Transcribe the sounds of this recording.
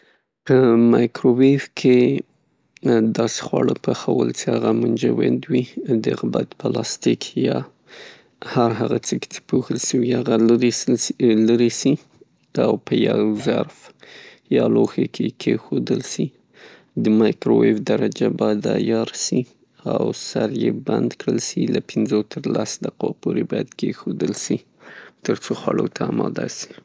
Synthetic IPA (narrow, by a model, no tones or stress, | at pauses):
pəmɑjkɾowefkʰe | d̪ɑse̥xwɑɽəpəxawə̰lt͡sehaɣamʊnd͡ʒawɪ̰nd̪wid̪əɣba̰t̪pʰəlɑst̪ikʰjɑ | haɾɦaɣat͡səke̥t͡se̥poxəlʃəwihaɣaɾ | laɾisi | awpəjawzaɾf | jɑloxekʰekʰexod̪əlsi | d̪əmɑjkɾowefd̪aɾad͡ʒabɑjad̪ajɑɾsi | awsaɾjeband̪kɽəlsilapʰɪnzot̪ʰəɾlasd̪aqapʰoɾebɑjad̪kexod̪əlsi | t̪əɾt͡soxwaɽot̪ʰaːmɑd̪asi̥